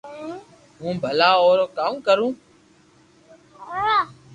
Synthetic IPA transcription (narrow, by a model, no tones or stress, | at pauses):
ɦũːbʱəlaːoːɾoːkaːmkəɾũː